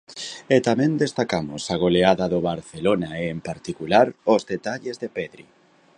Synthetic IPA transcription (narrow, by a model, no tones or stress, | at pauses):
et̪amɛ̃nd̪est̪akamʊsaɣ̞oleaðaðoβaɾθelonaeːmpaɾt̪ikulaɾozðet̪aʎezðepɛðɾḭ